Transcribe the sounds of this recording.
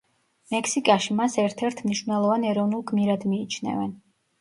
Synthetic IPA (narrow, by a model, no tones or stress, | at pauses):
mɛksikʼaʃimasɛɾt̪ʰɛɾt̪ʰmniʃvnɛlˠɔvanɛɾɔvnulˠɡmiɾad̪miːt͡ʃʰnɛ̰vɛn